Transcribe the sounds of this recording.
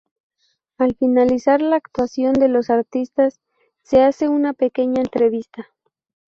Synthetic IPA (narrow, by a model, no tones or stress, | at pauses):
alfinalisaɾlaːkt̪wasjo̞nd̪e̞lo̞saɾt̪ist̪asː | e̞ase̞unape̞ke̞ɲaent̪ɾe̞β̞ist̪a